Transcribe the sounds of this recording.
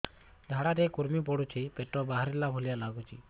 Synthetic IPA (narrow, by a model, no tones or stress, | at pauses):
dʱaɽaɾekuɾmipɔɽut͡ʃʰipeʈɔbaɦaɾilabʱulijalaɡut͡ʃʰi